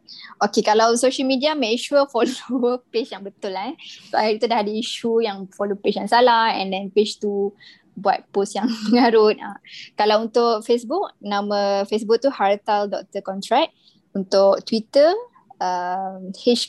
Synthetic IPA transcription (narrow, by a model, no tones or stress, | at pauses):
okekalawsoʃəlmidiamə̃kʃuəfolopet͡ʃjaŋbət̪ʊlaɛsoaiɾt̪udaɦadiiʃujaŋfolopet͡ʃjaŋsalahɛ̰̃ndɛnpet͡ʃt̪u | bua̰t̪̚posjaŋŋaɾʊt̪̚akalawunt̪ʊʔfesbuk̚nãməfesbuk̚t̪uhart̪aldɔk̚t̪əkɔnt̪ɾɛk̚ | unt̪ʊkt̪wit̪ə | əmhit͡ʃ